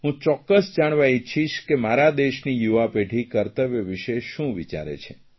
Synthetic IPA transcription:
ɦũt͡ʃɔkːəsd͡ʒaɳ̃ʋait͡ʃʰiʃkemaɾad̪eʃnijuʋapeʈʰikəɾt̪əʋeʋiʃeʃũʋit͡ʃa̰ɾḛt͡ʃʰe

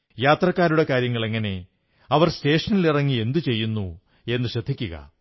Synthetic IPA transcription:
jaːt̪rɐkːaːɾuɽe̞kaːɾjɐŋːɐɭe̞ŋːɐne̞ | ɐʋɐrste̞ːʂɐnilirɐŋːie̞nd̪ɨt͡ɕe̞jːunːu | e̞nːɨɕɐd̪ʱːikʲːuɣɐ̰

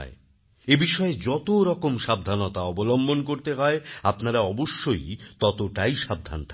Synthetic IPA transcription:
e | ebiʃɔed͡ʑɔt̪oɾɔkomʃab̚d̪ʱanot̪aɔbolombonkoɾt̪eɦɔeapnaɾaɔboʃːojt̪ɔt̪oʈajʃab̚d̪ʱa̰nt̪ʰ

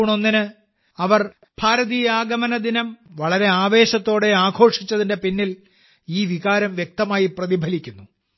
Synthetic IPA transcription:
ɳo̞nːinɨ | ɐʋɐr | b̥ʱaːɾɐðijaːɡɐmɐnɐd̪inɐmʋɐɭɐɾe̞aːʋe̞ːɕɐt̪ːo̞ːɽe̞aːɡʰʱo̞ːʂit͡ɕːɐðinde̞pinːil | iːʋiɣaːɾɐmʋjek̚t̪ɐmaːjiprɐðibʱɐlikʲːunːu

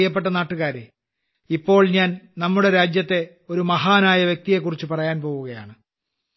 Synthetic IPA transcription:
jɐpːeʈːɐnaːʈːuɣaːɾḛ | ipːo̞ːɭɲaːnnɐmːuɽe̞ɾaːd͡ʑjɐt̪ːe̞ | o̞ɾumɐɦaːnaːjɐʋjek̚t̪ije̞kːurit͡ɕːupɐrɐjaːnpo̞ːɣuɣɐja̰ːɳɨ

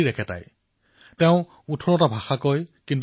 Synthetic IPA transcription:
iɹɛkʰɛta̰j | tɛʊ̃ | utʰɔɹɔtabʱaxakojkint̬

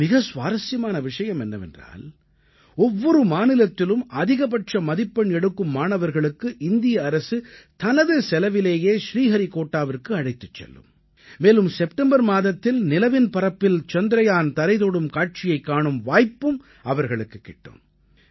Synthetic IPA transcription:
mɪɣɐsʋaːɾɐsɪjɐmaːnɐʋɪʂɐjɐmɛnːɐʋɛ̰ndra̰ːl | ɔʋːɔɾɯmaːnɪlɐt̪ːɪlɯmɐðɪɣɐp̬ɐʈrɐmɐðɪpːɐɳɛɽɯkːɯmːaːnɐʋɐɾɣɐɭɯkːɯʔɪnd̪ɪjɐːɾɐsɯt̪ɐnɐðɯsɛlɐʋɪleːjeːʃɾiːɣɐɾikoːʈːaːʋɪrkɯɐɽɐɪt̪ːɯt͡ʃːɛ̰lːɯ̰mː | eːlɯmsɛp̚ʈɛmbɐɾmaːðɐt̪ːɪlnɪlɐʋɪnpɐɾɐpːɪlt͡ʃɔnd̪ɾɐjaːnt̪ɐɾɐɪðoːɽɯmkaːʈ̚t͡ʃɪjɐɪkːaːɳɯmʋaːjpːɯm | ɐʋɐɾɣɐɭɯkːɯkːɪʈːɯ̰m

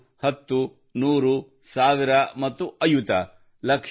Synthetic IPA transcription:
hɐt̪ːu | nuːɾu | saːʋiɾɐmɐt̪ːuʔɐjut̪ɐ | lɐk

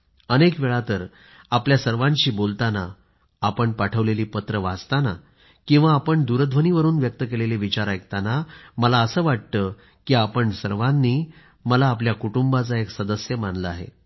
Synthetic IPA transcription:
ənekʋeɭat̪əɾ | apljasəɾʋãɲt͡ɕiːbolt̪ana | apəɳpaʈʰəʋleliːpət̪ɾəʋad͡zt̪ana | kĩw̃ʋaːpəɳd̪uɾəd̪ʱʋəniːʋəɾuːnʋjək̚t̪əkeleliʋit͡ɕaɾaekt̪anaməlaəsəːʋaʈt̪ə | kiːapəɳsəɾʋanːiː | məlaːpljakuʈumbat͡saeksəd̪əsjəmanləaɦḛ

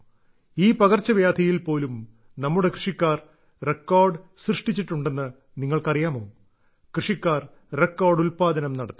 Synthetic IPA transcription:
iːpɐɣɐrt͡ɕːɐʋjaːd̪ʱʰɐjilpo̞ːlum | nɐmːuɽe̞krɨʂikːaːr | rekːoːrɖɨsrɨʂʈit͡ɕːiʈːuɳɖe̞nːɨ | niŋːɐɭkɐrijaːmo̞ː | krɨʂikːaːr | rekːoːrɖulpaːd̪ɐnɐmnɐɽɐt̪ːi

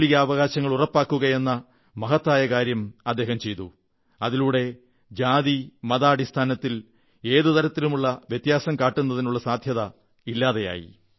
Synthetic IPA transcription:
ɭiɣɐːʋɐɣaːɕɐŋːɐɭurɐpːaːkːuɣɐe̞nːɐ | mɐɦɐt̪ːaːjɐkaːɾjɐmɐd̪ːe̞ːɦɐmt͡ɕe̞jt̪u | ɐðiluːɽe̞ | d͡ʑaːðimɐðaːɽist̪ʰaːnɐt̪ːil | e̞ːðut̪ɐɾɐt̪ːilumuɭːɐʋjet̪jaːsɐmkaːʈːunːɐðinuɭːɐsaːd̪ʱjɐðɐ | ilːaːðeja̰ːjḭ

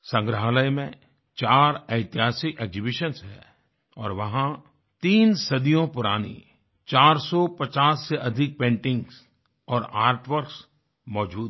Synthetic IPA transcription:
sə̃ŋɡɾəɦləjmẽ | t͡ʃaːɾɐɪt̪ɪɦaːsɪkeːɡzɪbɪʃənsɦɛ̰ | ɔːɾʋɐɦã | t̪iːnsɐd̪ijõpʊɾaːnḭ | t͡ʃaːɾsɔpɐt͡ʃaːsːeʔɐd̪ʱɪk̚pẽːɳʈɪ̃ŋɡs | ɔːɾaːɾʈʋəɾks | mɔːd͡ʒuːd̪̚

